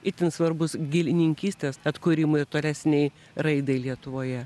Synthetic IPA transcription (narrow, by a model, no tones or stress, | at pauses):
ɪt̪ʲɪnsʋɐɾbʊsɡʲɪlʲɪnʲɪŋʲkʲiːsʲt̪ʲeːsɐt̪kʊɾʲiːmʊɪt̪oːlʲæsʲnʲɛɪ | ɾɐɪd̪ɐɪlʲiɛt̪ʊʋoːjɛ